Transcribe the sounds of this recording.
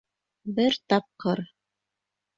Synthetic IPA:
bɘɾt̪ɑp̚qɤɾ

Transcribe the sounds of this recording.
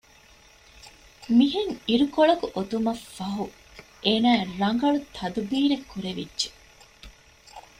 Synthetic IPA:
miɦeŋiɾukoɭɐkuʔot̪umɐfːɐɦu | eːnæːɾɐŋ̆ɡɐɭut̪ʰːɐd̪ubiːɾekʰːuɾeʋidːʒe̥

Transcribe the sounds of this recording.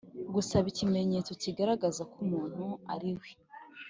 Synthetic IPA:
ɡusaβicime̞ɲe̞t͡so̞ciɡaɾaɡazakumuːn̥hua̰ɾiwe

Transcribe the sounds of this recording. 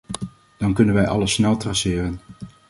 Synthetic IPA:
d̥ɑnkɵnənʋɛjʔɑ̰ləsːnɛlˠtrɑsɪːrən

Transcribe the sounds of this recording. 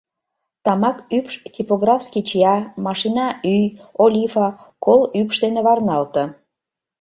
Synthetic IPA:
t̪ɑmɑkypʃtʲipoɣrɑfskit͡ɕijɑmɑʃinɑyjolʲifɑkolypʃd̪eneβɑrnɑlt̪ɤ̆

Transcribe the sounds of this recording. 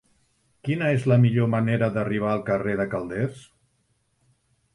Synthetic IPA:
kinəezləmiʎoməneɾəðəriβ̞aəlˠkəreðəkəlˠd̪ɛs

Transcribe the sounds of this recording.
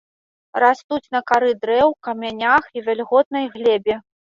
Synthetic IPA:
rast̪ut͡sʲn̪ɐkaɾɨd̪ɾɛwkɐmʲanʲaxivʲɛlʲɣɔt̪̚nɐjɣlʲɛbʲɛ

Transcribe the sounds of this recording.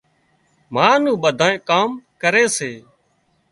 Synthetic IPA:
maːnũːɓəd̪ʱaːẽːkaːmkəɾeːseː

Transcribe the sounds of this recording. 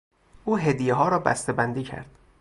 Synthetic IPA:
ʔuːɦed̪ijeɦɒːɾɒːbæ̰st̪ebænd̪iːcʰæ̰ɾd̪̥

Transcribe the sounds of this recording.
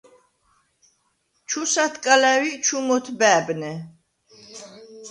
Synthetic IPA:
t͡ʃʰusat̪ʰkʼalɛwit͡ʃʰumɔt̪ʰbɛːbnɛ

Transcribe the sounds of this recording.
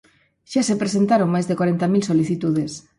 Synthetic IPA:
ʃasepɾesent̪aɾõŋmajzðekwaɾent̪amilsoliθit̪uð̞es

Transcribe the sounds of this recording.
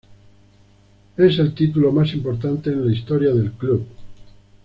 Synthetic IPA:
ese̞lt̪it̪̬ulo̞masimpoɾt̪ant̪eːnlaist̪oɾjaðe̞lkluβ

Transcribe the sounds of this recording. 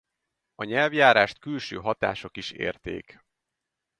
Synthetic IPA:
ɒɲɛlvjaːɾaːʃt̪kylʃøːɦɒt̪a̰ːʃo̞kiʃḛːrt̪ḛːk

